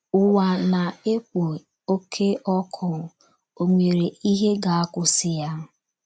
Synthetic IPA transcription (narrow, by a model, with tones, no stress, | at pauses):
ʊ˨wa˨na˨e˦kʷo˨ | o˦kʰe˦ʔɔ˦kʰʊ˦˨ | o˨ŋʷe˨ɾe˨i˦ɦe˦ɡa˨a˦kʊ˦sɪ˦ja˦